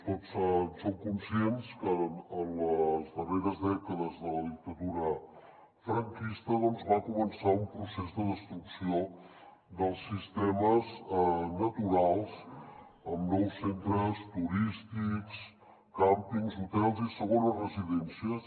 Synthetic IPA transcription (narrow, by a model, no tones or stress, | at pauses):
t̪osənsoŋkunsienskəːnləzðəreɾəzðɛkəðəzðələðik̚t̪əðuɾə | fɾəŋkist̪əðɔnzβakumənsaumpɾusezðəðəst̪ɾuksio | d̪əlˠsːist̪ɛməznət̪uɾalˠz | əmnɔwsːent̪ɾəst̪uɾist̪iks | kampiŋzut̪ɛlˠzisəɣ̞onəzrəziðɛnsiə